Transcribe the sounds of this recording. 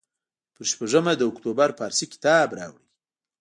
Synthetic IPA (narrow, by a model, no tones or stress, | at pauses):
pəɾʃpaʐəmad̪əʊkt̪obaɾpɑɾsikɪ̥t̪ɑbɾɑ̰wɽi